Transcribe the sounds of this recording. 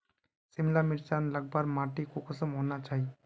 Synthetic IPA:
sɪmlamɪɾt͡ʃanləɡ̚baɾmaʈikokəsəmɦonat͡ʃaːɦi

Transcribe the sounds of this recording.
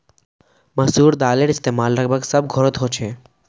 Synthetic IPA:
məsuːɾd̪aːleɽɪst̪eːmaːlːəɡ̚bʱəɡsəbɡʱɔɾət̪ɦot͡ʃʰe

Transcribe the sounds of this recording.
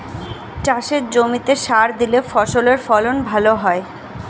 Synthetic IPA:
t͡ɕaʃeɾd͡ʑomit̪eʃaɾd̪ilefɔʃoleɾfɔlonbʱaloɦɔe

